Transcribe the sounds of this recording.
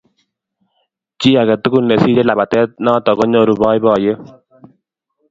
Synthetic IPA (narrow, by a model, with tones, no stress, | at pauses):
t͡ʃi˦a˨ɡɛ˨tu˦ku˦˨nːe˨si˦ɾe˦la˨ba˨tɛ˦t̚nɔ˦t̪ɔ˨kɔ˦ɲo˦˨ɾu˨bɔ˦jbɔ˨je˦